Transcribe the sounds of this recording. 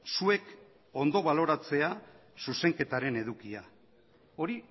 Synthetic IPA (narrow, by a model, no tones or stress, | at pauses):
sue̞k | o̞nd̪o̞β̞alo̞ɾat͡se̞a | suse̞ŋke̞t̪aɾe̞ne̞ðukia | o̞ɾi